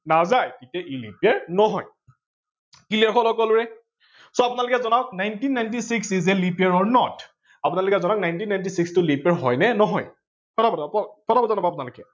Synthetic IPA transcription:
nazajkitɛʔelḭpiɛɹnɔɦɔj | kiliɛɹxɔlɔkɔlʊɹɛ | sɔapʊnalʊkɛzɔnaʊk̚najntinːajntisiksizɛlipiɛɹɔɹnɔt | apʊnalʊkɛzɔnawk̚najntinːajntisikstʊlipɛɹɦɔjnɛnɔɦɔj | pɔtʰabɔtpɔpɔtʰabɔzanabɔapʊnalʊkɛ

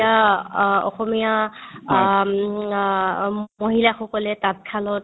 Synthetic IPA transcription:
a | ɔ̰xɔmija | moɦilaxɔkɔlɛtat̚kʰalɔt̚

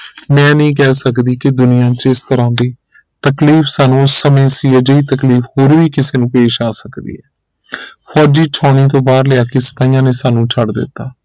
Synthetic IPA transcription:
mɛ̃ːnĩːk̬ɛːsəkd̪iːkɪd̪ʊnɪjãːt͡ʃɪst̪əɾãːd̪iː | t̪əkliːfʰsaːnũːʊsːəmẽːsiːɛːd͡ʒəiːt̪əkliːfhoːɾʋiːkɪseːnũːpeːʃaːsəkd̪ḭːɛː | pʰɔːd͡ʒiːt͡ʃʰɔːɽ̃iːt̪̬õːbaːɾlɪjaːkɪsə̥paːijãːneːsaːnũːt͡ʃʰəɽd̪ɪ̰t̪ːaː

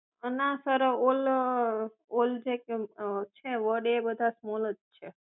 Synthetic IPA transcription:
ənasəɾəol | old͡ʒeket͡ʃʰeʋəɖebəd̪ʱasmoləd͡ʒt͡ʃʰe

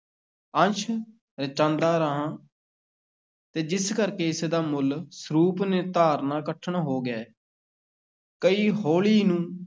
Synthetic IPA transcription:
ənt͡ʃʰ | ɾət͡ʃãːnd̪aːɾəɦãː | t̪eːd͡ʒɪskəɾkeːɪsd̪aːmʊlsɾuːpneːt̪aːɾnaːkəʈʰəɳɦoːɡɛː | kəiːɦoːɭiːnũː

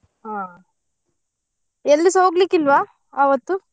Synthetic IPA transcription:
ɦaː | elːisoːɡlikːilʋaː | aːʋɐt̪ːu

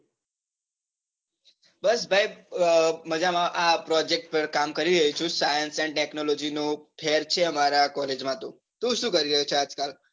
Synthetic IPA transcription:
bəsbʱaj | məd͡ʒamãʔapɾɔd͡ʒek̚ʈ̚pəɾkamkəɾiɾəɦit͡ʃʰũsajənsɛnʈeknolɔd͡ʒinũpʰeɾt͡ʃʰeəmaɾakɔled͡ʒmãt̪ũ | t̪ũʃũːkəɾiɾəɦet͡ʃʰead͡ʒkal

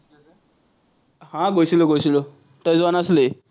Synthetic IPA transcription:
ɦãɡosiloɡosilo | tɔjzwanasle

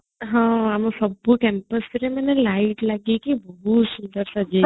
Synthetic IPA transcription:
ɦãamũsəbːukɛmpəsəɾemənelaiʈlaɡikibəɦusund̪əɾsad͡ʒe

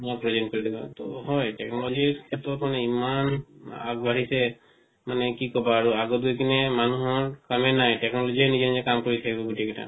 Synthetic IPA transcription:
ɔpɹɔd͡ʒɛnkɔɹid̪iba̰t̪ɔɦɔjtɛknɔlɔd͡ʒiɹkʰɛtɔtmanɛimana̰ɡ̚bʱaɹisɛ | manɛkikɔbaːɹuaɡɔt̪̚ɡʱujkʰinɛmanuɦɔɹkamɛnajtɛknɔlɔd͡ʒiɛnizɛnizɛkamkɔɹit̪ʰakibɔɡutikta̰

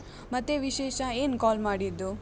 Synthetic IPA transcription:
mɐt̪ːeʋiʃeːʃɐeːnkaːlmaːɽid̪ːu

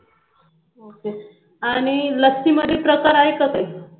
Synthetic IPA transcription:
oke | aɽ̃iləsiməd̪iːpɾəkaɾajkək̪aj

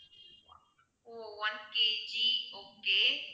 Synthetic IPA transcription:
owɐnked͡ʒioːkːe

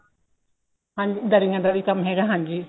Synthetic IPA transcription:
hãɲd͡ʒid̪ɐɾiŋãd̪ɐɾikɐmɦeːɡaɦãɲd͡ʒi

